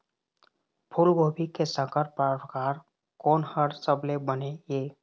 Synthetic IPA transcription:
pʰʊlɡoːbʱikesə̃kəɾpaɾəkaːɾ | kɔːnhəɾsəblebənejeː

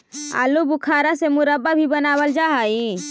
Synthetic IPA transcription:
a̰ːlubʊkʰaːɾasemʊɾəbːabʱibɐnaːwəld͡ʒaːɦai

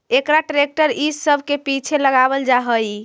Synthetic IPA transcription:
ekɾaʈɾek̚ʈəɾissəbʱkepit͡ʃʰeləɡabəld͡ʒaɦəj

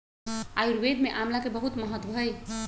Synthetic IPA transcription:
ajuɾʋed̪ʱmeʔamlakebəɦut̪məɦət̪wbʱəj

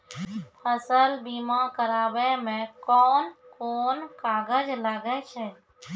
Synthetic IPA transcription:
pʰəsəlbimakəɾaːbɛmẽkɔːnkoːnkaɡəd͡ʒlaɡɛt͡ʃʰɛ

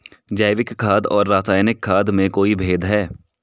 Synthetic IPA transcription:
d͡ʒaːʋɪkʰːaːd̪ɔːɾːaːsaːjnɪkʰːaːd̪mẽkoːibʱeːd̪ɦɛː

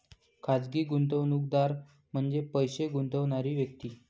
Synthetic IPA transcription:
kʰad͡zɡiːɡunt̪̬əʋnuːk̚d̪aɾ | m̤əɳd͡zepəjɕeɡunt̪əʋɳaɾiːʋjək̚t̪iː

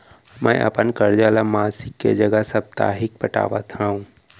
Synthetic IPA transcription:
mʔɛ̰ːʔɐ̰pənkɐɾd͡ʒaːlamaːsɪkːḛd͡ʒɐɡəsɐb̚t̪a̰ːɦɪk̚pəʈa̰ːʋa̰t̪ʰaːũ

